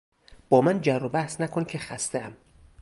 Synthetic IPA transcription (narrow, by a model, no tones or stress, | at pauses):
b̥ɒːmænd͡ʒærːobæhsnækʰoncʰe̞xæst̪eæm